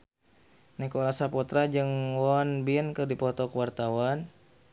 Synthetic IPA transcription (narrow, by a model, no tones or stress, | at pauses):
nɛkɔlasapɔt̪ɾad͡ʒɨŋwɔnbinkɨrdipɔt̪ɔkəwart̪awan